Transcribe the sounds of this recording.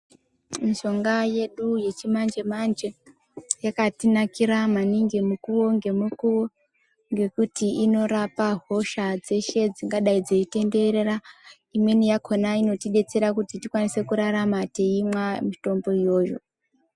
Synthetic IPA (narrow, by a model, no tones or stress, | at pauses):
miʃo̞ŋɡaje̞ɗuje̞t͡ʃimand͡ʒe̞mand͡ʒe̞ | jakatinakiɾamaniŋɡemukuwo̞ŋɡe̞mukuwo | ŋɡe̞kutiino̞ɾapaɦo̞ʃad͡ze̞ʃe̞d͡ziŋɡaɗaid͡zo̞ite̞nde̞ɾera | imwe̞nijakʰo̞naino̞tiɗe̞t͡se̞ɾakutitikwanise̞kuɾaɾamate̞imwamito̞mbo̞ijo̞ːjo̞̰